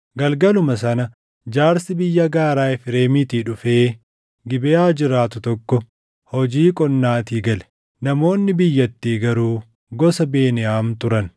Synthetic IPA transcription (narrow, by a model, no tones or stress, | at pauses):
ɡɐlɡɐlʊmɐs̬ɐnɐ | d͡ʒaːɾsɪbɪjːɐɡaːɾaːɪfɪɾe̞ːmit̪iːᶑʊfeː | ɡɪbɛaːd͡ʒɪɾaːt̪ʊt̪ɔkːɔ | hɔd͡ʒiːkʼɔnːaːt̪iːɡɐlɛ̥ | nɐmo̞ːnːɪbɪjːɐt̪ːiːɡɐɾuː | ɡɔsɐbe̞ːnɪjaːmt̪ʊɾɐn